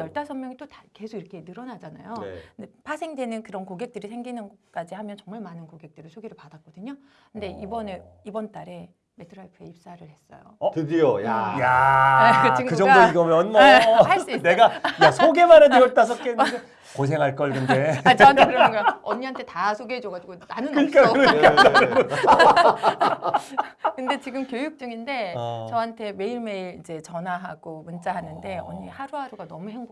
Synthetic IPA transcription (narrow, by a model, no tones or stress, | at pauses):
jʌɭt͈asʰʌŋmjʌŋit͈otake̞sʰoɡiɾʌkʰe̞nɯɾʌnad͡ʑana̰jodepasʰe̞ŋdwe̞nɯnkɯɾʌnkoɡe̞k̚t͈ɯɾisʰe̞ŋɡinɯnʌk͈ad͡ʑihamjʌnt͡ɕʌŋmaɭmanɯnkoɡe̞k̚t͈ɯɾiɭsʰoɡeɾɯɭpadak͈̚ʌdɯɲo | kʰɯnde̞ibʌne | ibʌnt͈aɾe | metʰɯɾaɭpʰɯeip̚s͈aɾɯɭhe̞s͈ʌ̰jo̰ʌtɯdijoja̰ja | t͡ɕikɯd͡ʑʌdoiɡʌmjʌnmʌhaineɡajasʰoɡe̞maɾedɯʌɭt͈as̬ʰʌk͈ʰeɯde | kos̬ʰe̞ŋɦaɭk͈ʌɭkɯnde̞t͡ɕaeŋɡʌɲiɦantʰe̞tasʰoɡeed͡ʑoɡad͡ʑiɡonanɯnkɯɲik͈aɾʌkaaɾɯɾo | kɯnde̞t͡ɕiɡɯmkjojuk̚t͡ɕ͈uŋinde̞t͡ɕʌɦantʰe̞me̞iɭme̞iɾid͡ʑe̞t͡ɕʌnaɦaɡ̥omunt͡ɕ͈aɦanɯnde̞ʌɲihaɾuhaɾuɡanʌmuheŋbo